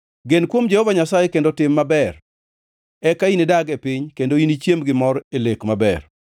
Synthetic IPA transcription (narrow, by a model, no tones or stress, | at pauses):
ɡenkwomd͡ʒehɔvaɲasajekendotɪmːabɛr | ɛkainedaɡepɪɲkendoinit͡ʃjemɡɪmɔɾelekmabɛr